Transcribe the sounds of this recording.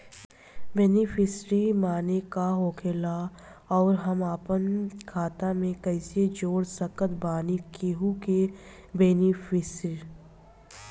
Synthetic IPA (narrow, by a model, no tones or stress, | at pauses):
beːnɪfʰɪsɾimaːnekaɦoːkʰeːla | ɔːɾɦɐmaːpənkʰaːt̪amẽkəɪsed͡ʒoːɽsəkət̪baːnikeːɦuke | beːnifɪsɾi